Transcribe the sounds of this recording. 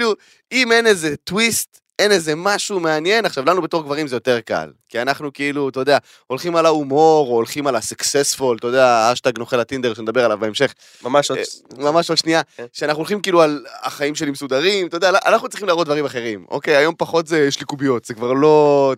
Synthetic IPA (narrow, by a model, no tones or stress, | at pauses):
lu | ime̞neze̞twist̪ | e̞neze̞maʃume̞anje̞naχʃavlanubetoʁɡvaʁimzejo̞t̪e̞ʁka̰lkianaχnukeilut̪ojd̪ea | o̞lχimalaumo̞ʁoːlχimalasuksesfo̞lt̪od̪eaaʃtaɡnoχelat̪ind̪e̞ʁʃenedabe̞ʁalavbeemʃe̞χ | maʃmamaʃodʃniaʃeanaχnuolχimkiiːlualaχaimʃe̞limesud̪aʁimt̪odealaʔa̰naχnutt͡s̪ʁiχimlaːʁotd̪vaʁimaχeʁimo̞̰kejajo̞mpaχo̞t̪zeʃlikubio̞t̪z̥ekvaʁlo̞